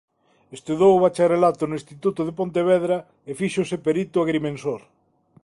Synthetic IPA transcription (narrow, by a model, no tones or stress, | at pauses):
est̪uðowβat͡ʃarelat̪onʊĩst̪it̪ut̪oðepont̪eβ̞eð̞ɾa | efiʃosepeɾit̪ʊaɣɾimẽnsoɾ